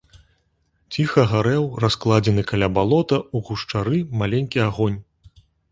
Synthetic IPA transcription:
t͡sʲixɐɣaɾɛwrasklˠad͡zʲɛnɨkalʲabalˠɔt̪ɐuɣuʂt͡ʂaɾɨmalʲenʲkʲiaɣɔnʲ

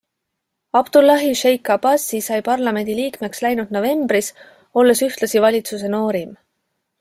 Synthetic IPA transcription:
ɑb̥d̪̥ulːɑɦiʃejkːˑɑbɑsːisɑjpɑrlɑme̞nʲd̪̥iliːkme̞kslæjnud̪̥no̞ve̞mb̥ɾis | o̞lːe̞syht̪lɑsivɑlʲit̪sus̬e̞no̞ːɾim

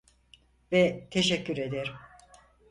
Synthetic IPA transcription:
vɛt̪ʰeʃɛcːyɾe̞d̪ɛɾ

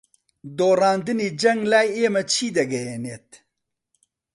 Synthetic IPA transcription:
d̪oːraːnd̪ɨniːd͡ʒɐŋɡlaːjeːmɐt͡ʃʰiːd̪ɐɡɐjeneːt̪̚

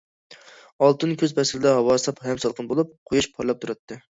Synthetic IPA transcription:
ɑlˠt̪ɨnkʲʰøzpɛsɾɪd̪ɛɦɑwɑːsˠɑphɛmsɑlˠqʰənbolˠup̚qʰojuʃpʰɑɾlˠɑp̚t̪ʰuɾɑt̪ʰːɨ

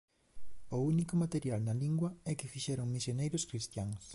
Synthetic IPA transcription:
ʊunikomat̪eɾjalnɐliŋɡwɐɛkɪfiʃɛɾoŋmisjonejɾʊskɾist̪jaŋs

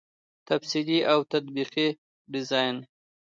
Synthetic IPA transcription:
t̪afsiliʔawt̪at̪̚biqi | ɖɪzɑjn

